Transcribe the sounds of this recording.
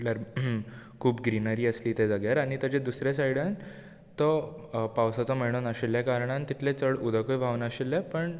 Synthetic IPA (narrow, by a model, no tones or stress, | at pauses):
ljaɾ | kʰuːpɡɾinəɾiːəsliːt̪ed͡zəɡjaɾaɽ̃it̪ad͡ʑed̪usɾjesajɽan | t̪ɔpawsat͡sɔməɳonaɕilːjakaɾɳant̪it̪ʰlet͡səɽud̪ʱəkojʋʱaʋnaɕilːepəɳ